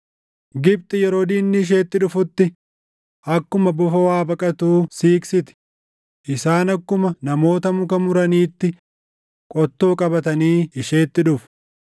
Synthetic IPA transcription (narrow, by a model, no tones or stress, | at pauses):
ɡɪb̚t̪ʼɪjɛɾo̞ːd̪iːnːɪʃ̬e̞ːt̪ːɪᶑʊfʊt̪ːɪ | ɐkːʊmɐbʊfɐwaːbɐkʼɐt̪uːsiːksɪt̪ɪ̥ | ʔɪsaːnɐkːʊmɐnɐmo̞ːt̪ɐmʊkɐmʊɾɐniːt̪ːɪ | kʼɔt̪ːoːkʼɐbɐt̪ɐniːɪʃeːt̪ːɪᶑʊfʊ̥